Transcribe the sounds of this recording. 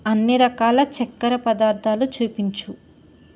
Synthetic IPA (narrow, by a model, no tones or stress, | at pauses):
ɐnːiɾɐkaːlɐt͡ʃɛkːɐɾɐpɐd̪aːɾd̪ʱaːlut͡ʃuːpiɲt͡ʃu